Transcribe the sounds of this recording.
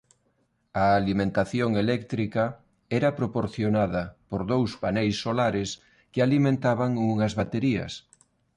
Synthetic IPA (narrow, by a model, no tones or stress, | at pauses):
ɐːlimẽnt̪aθjoŋelɛkt̪ɾikɐ | ɛɾɐpɾopoɾθjonaðɐpoɾðowspanejsːolaɾɪs | kealimẽnt̪aβaŋuŋɐzβat̪eɾiɐ̰s